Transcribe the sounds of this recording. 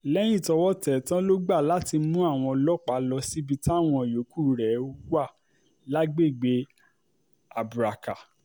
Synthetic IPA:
lɛ˦j̃ĩ˦˨tɔ˧wɔ˦tɛ˨tã˦lo˦ɡ͡ba˦˨la˨˦ti˧mũ˦a˦˨w̃ɔ̃˧lɔ˦k͡pa˨˦lɔ˧si˦bi˧ta˦˨w̃ɔ̃˧˨jo˨˦ku˦˨ɾɛ˨˦o˦ɡa˦˨ | la˦ɡ͡be˦˨ɡ͡be˨˦ | a˨bu˨ɾa˨ka˨

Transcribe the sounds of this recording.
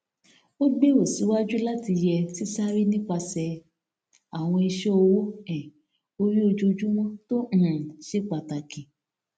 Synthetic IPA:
o˦ɡ͡be˦o˦˨si˨˦wa˦d͡ʒu˦la˦ti˧jɛ˧si˦sa˦ɾi˦nĩ˦k͡pa˧sɛ˧ | a˨w̃ɔ̃˧i˧ʃe˦o˧wo˦ɛ̃˨ | o˦ɾi˦o˧d͡ʒu˦o˧d͡ʒu˦wɔ̃˦tõ˦˨ʃe˦k͡pa˨ta˨ki˨

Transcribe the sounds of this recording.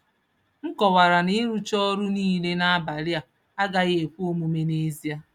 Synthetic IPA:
ŋ̩˦kɔ˨wa˨ɾa˨nɪ˦ɾu˦t͡ʃɔ˦ɾu˦niː˦le˦na˦a˦ba˨lɪ˦a˨ | a˦ɡa˨ɣe˨kʷo˦mu˨me˨ne˦zi˦a˦

